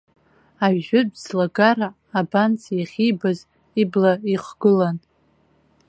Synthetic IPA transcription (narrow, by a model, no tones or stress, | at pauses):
aʒʊdzlaɡaɾaː | bant͡sʰjiχʲijbaz | iblaiχɡ̥ɨlan